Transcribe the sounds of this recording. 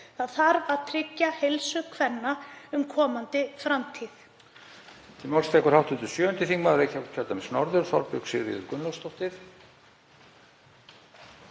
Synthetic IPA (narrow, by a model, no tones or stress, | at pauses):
θaðθaɾvaðt̪ʰɾɪcːahelsʏkʰvɛnːaʏmkʰɔːmant̪ɪfɾamt̪ʰiθ | t̪ʰɪmɔwlst̪ʰɛkʏɾhawht̪ʏnt̪ʏsjœːœnt̪ɪθiŋmaɾejcac̪ʰœɾt̪amɛsnɔɾðʏɾ̥θɔ̰ɾpʏksɪɣɾḭðʏɾkʏnlɔst̪ɔht̪ɪɾ̥